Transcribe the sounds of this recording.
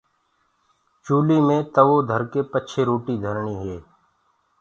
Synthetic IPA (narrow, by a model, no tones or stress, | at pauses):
t͡ʃuːlimẽt̪əʋod̪ʱəɾkepətːʃʰeɾoːʈid̪ʱəɾɳiɦeː